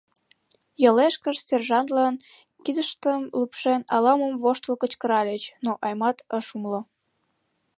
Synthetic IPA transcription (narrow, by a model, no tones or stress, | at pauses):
jəleʃkəʃstʲerʒɑnt̪lɑn | kid̪əʃt̪əmlupʃenɑlɑməmvoʃt̪əlkə̆t͡ɕkəɾɑlʲet͡ɕnoʔɑjmɑt̪əʃumlo